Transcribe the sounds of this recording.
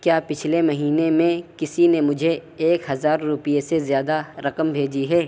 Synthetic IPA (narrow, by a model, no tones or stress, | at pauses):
kjaːpɪt͡ʃʰlemɐɦiːnemẽkɪsinemʊd͡ʒʱeeːkɦɐzaːɾːʊpijesezjaːd̪aɾɐqəmbʱeːd͡ʒiɦɛː